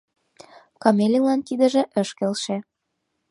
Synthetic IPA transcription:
kɑmelʲilɑnt̪id̪ə̆ʒĕʔə̆ʃkelʃĕ

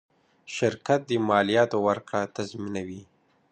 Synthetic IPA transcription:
ʃɪɾkat̪̚d̪əmɑlijɑt̪owaɾkɽat̪azminawi

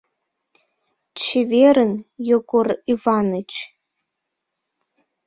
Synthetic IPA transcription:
t͡ʃʰeveɾɨnjoɡʷʼʊrivanɨt͡ʃʰ

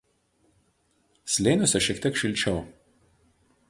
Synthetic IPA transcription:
sʲlʲeːnʲosʲɛʃʲiɛkt̪ʲiɛkʃʲɪlʲt͡ʃʲɛʊ

